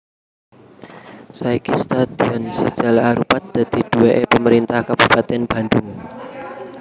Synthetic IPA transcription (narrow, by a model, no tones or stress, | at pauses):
saikist̪ad̪̥iɔnsəd̥ʒ̥a̤laaɾupat̪̚d̪̥a̤d̪̥i̤d̪̥uweʔepəməɾint̪ahkab̥upat̪ɛnb̥a̤nd̪ʊŋ